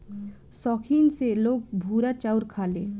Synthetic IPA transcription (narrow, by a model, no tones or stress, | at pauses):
sɔːkʰiːnseloːk̚bʱuːɾat͡ʃaʊɾkʰaːlḛː